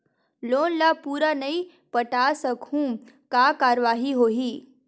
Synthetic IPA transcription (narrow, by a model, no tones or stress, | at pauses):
loːnlaːpuːɾanɐi | pɐʈaːsɐkhũː | kaːkaːɾʋaːɦiɦoːɦiː